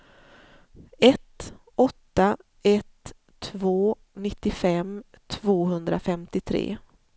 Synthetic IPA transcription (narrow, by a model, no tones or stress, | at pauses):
ɛt̪ | ʔɔt̪ːa | ɛt̪ʰː | voː | nɪt̪ːɪfɛm | t̪ʰvoːɦɵnd̪ɾafɛmt̪ɪt̪ʰɾḛː